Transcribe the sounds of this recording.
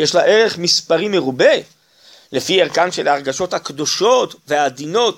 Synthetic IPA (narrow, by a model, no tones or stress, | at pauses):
jeʃlaʔe̞ʁe̞χmispaʁime̞ʁube̞ | le̞fieʁkanʃe̞laʁɡaʃo̞t̪hakd̪o̞ʃo̞t̪ve̞ad̪ino̞t̪